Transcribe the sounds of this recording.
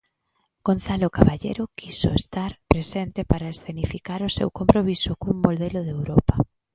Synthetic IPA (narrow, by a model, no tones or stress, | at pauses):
ɡ̥on̟θalokaβaʎḛɾʊkʰiso̰est̪aɾpɾesent̪epaɾaesθenifikaɾʊsewkompɾoβisʊkuŋmolðeloðewɾopa